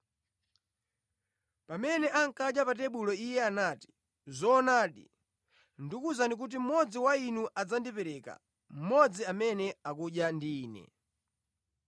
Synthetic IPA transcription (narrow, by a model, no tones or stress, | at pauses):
pamɛnɛʔaŋ̩kaɗjapatɛɓulɔijɛanaːti̥ | zɔːnaːɗḭ | ndikuzandik̬ut̬im̩mɔd͡ziwainuʔad͡zandipɛɾɛka̰ | m̩mɔd͡ziamɛnɛakuɗjandiːnɛ̰